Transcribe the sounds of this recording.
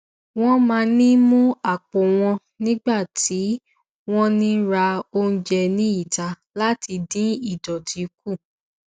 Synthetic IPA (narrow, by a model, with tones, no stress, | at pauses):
w̃ɔ̃˦mãː˧nĩ˦mũ˦a˦˨k͡pɔ˨w̃ɔ̃˧ | nĩ˦ɡ͡ba˦˨ti˨˦ | w̃ɔ̃˦nĩ˦ɾa˧o˧n̩˦d͡ʒɛ˧nĩ˦i˦˨ta˨˧ | la˦ti˧dĩ˦i˦˨dɔ˨ti˨˦ku˦˨